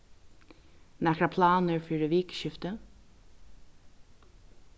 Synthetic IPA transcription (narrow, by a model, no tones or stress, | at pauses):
nækɾɑpʰlɑːnəɹfyɾəʋiːkʃʏft̪ə